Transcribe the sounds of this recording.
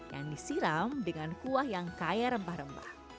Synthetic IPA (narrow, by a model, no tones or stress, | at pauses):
ja̰ŋdisiɾamdəŋankuahjaŋkajaɾəmbahɾəmba̰h